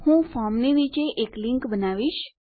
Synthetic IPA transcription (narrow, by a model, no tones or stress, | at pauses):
hũfɔɾmniʋit͡ʃeʔekliŋkbənaʋiʃ